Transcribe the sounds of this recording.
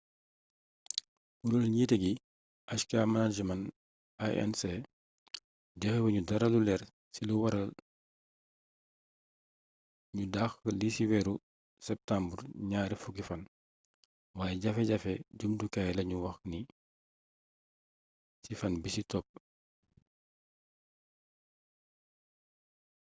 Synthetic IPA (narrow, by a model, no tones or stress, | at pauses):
wuɾolɲiːtɛɡi | ʔɐʃkaːmɐnad͡ʒɐmɐn | aɛ̰nsɛ | dɛxɛwɐɲudɐɾɐlulɛɾ | siluwɐɾɐl | ɲudaːxlisiwɛɾu | sɛp̚tambrɲaːɾifuɡifɐn | waːjɛɟɐfɛɟɐfɛɟumdukajlɐɲuwɐxni | sifɐnbisitɔp̚ː